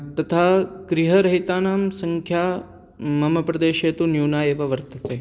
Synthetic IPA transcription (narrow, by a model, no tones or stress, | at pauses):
t̪ɐt̪ʰaːkɾiɦɐɾɐɦit̪aːnaːmsɐŋkʰjaː | mɐmɐpɾɐd̪eːʃeːt̪unjuːnaːjeːʋɐʋɐɾt̪ɐt͡seː